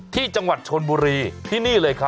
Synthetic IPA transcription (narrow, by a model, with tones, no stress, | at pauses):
t̪ʰiː˥˩t͡ɕa˧ŋwa˨˩t̪̚t͡ɕʰo˧nbuː˧ɾiː˧t̪ʰiː˥˩niː˥˩lɤː˧jkʰa˦˥